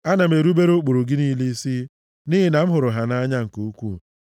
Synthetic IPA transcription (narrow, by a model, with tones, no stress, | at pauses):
a˦na˨m̩˨e˨ɾu˦be˦ɾo˦k͡pu˨ɾu˨ɡɪ˦niː˦li˦si˦ | ni˦ɦi˨na˨m̩˦ɦʊ˨ɾʊ˨ɦa˨na˦ɲa˦ŋ̩˨ku˨u˦kʷṵ˦˨